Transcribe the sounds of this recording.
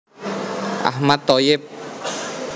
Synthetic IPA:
ʔa̰hmat̪ːɔjɪp̚

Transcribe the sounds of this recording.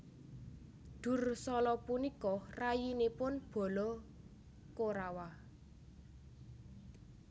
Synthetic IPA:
d̪̥ṳrsɔlɔpunikɔrajinepʊnb̥ɔ̤lɔ | koɾawa

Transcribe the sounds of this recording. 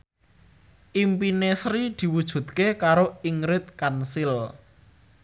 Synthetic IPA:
ʔimpinesɾid̪̥i̤wud̥ʒ̥ṳt̪̚kekaɾoiŋɾɪt̪̚kansɪl

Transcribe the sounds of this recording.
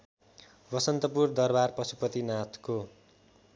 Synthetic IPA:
bʌsʌnt̪ʌpurd̪ʌrbarpʌsupʌt̪inat̪ʰko

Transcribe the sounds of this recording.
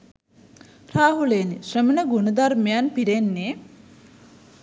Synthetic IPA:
raːɦuleniʃrəmənəɡunəd̪armejanpiɾenːeː

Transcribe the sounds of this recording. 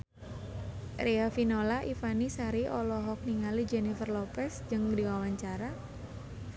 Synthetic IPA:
ɾiafinolaʔifanisaɾiʔɔlɔɦɔk̚niŋalid͡ʒɛnifərlɔpɛsd͡ʒɨŋdiwawaɲt͡ʃaɾa

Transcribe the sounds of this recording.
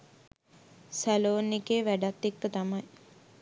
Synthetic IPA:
sæloːnikeːʋæɖat̪ːek̚tət̪amaj

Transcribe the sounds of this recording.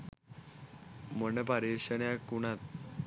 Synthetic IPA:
məɳəpaɾeɕəɳjakuɳat̪̚

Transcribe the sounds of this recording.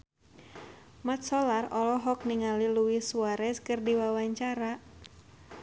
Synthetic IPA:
mat̪̚sɔlarɔlɔɦɔk̚niŋaliluisuaɾɛskɨrdiwawaɲt͡ʃaɾa

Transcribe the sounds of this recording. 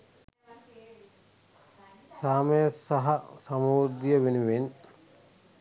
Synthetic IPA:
saːməjəsːɐɦɐsɐmuːɾd̪ijəʋenuʋen

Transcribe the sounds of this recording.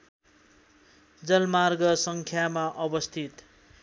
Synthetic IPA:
d͡zʌlmarɡʌsʌŋkʰjamaʔʌbʌst̪ʰit̪

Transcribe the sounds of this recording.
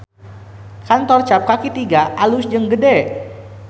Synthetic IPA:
kant̪ɔrt͡ʃap̚kakit̪iɡaʔalusd͡ʒəŋɡədɛ

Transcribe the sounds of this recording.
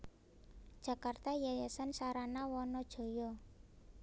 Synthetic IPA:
d̥ʒ̥a̤kart̪ajajɛsansaɾanawɔnɔd̥ʒ̥o̤jɔ

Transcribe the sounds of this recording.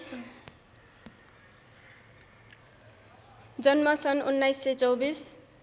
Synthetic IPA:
d͡zʌnmʌsʌnunːajsːet͡sʌwbis

